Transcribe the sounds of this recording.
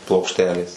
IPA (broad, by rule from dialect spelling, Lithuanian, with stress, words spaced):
plˠoːkʃʲˈtʲæːlʲeːs